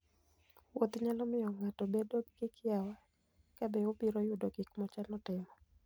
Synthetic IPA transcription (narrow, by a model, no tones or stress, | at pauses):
wot̪ɲalɔmɪjɔŋatɔbedoɡɡɪkjawa | kabeopiɾojʊdoɡɪkmɔt͡ʃanɔtɪmɔ